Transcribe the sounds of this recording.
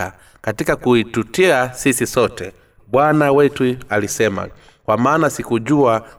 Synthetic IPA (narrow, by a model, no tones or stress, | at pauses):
a | katikakuitutiasisisɔtɛ | bwanawɛtualisɛma̰ | kwamaːnasikuʄua